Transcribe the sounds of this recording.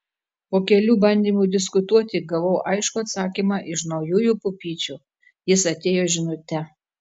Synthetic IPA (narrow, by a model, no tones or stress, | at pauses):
poːkʲɛlʲuːbɐnʲd̪ʲiːmuːd̪ʲɪskʊt̪uɔt̪ʲɪɡɐʋɐʊʔɐɪʃkuɐt̪sɑːkʲiːmɑːʔɪʃnɒʊjuːjuˑːpʊpʲiːt͡ʃʲuː | jɪsɐt̪ʲeːjoːʒʲɪnʊt̪ʲɛ